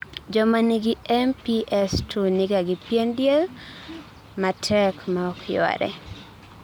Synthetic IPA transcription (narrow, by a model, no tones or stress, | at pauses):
d͡ʒɔmaniɡɪɛmpiʔɛstʰunɪɡaɡɪpjendjel | matʰɛkmaɔkʰjɔ̰ɾɛ̰